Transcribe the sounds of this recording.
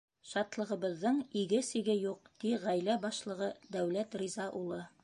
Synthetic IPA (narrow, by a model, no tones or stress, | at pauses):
ʃɑt̪lˠɤ̆ʁɤ̆βɤ̆ðːɤɴiɡɘsiɡɘjuq̚t̪iʁæjlæbɑʃlˠɤ̆ʁɤd̪æwlæt̪rʲizɑʔulˠɤ